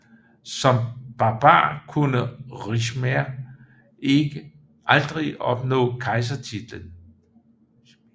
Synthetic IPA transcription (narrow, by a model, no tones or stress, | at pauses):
sɒ̽mb̥ɑ̈b̥ɑ̰̈ːkʰunəʁiɕmæɐ | e̝ɡ̥ə | ʔɑld̥ʁiʔɒ̽b̥nɔ̰̽ːkʰɑ̈ɪs̬ɐt͡sʰid̥lən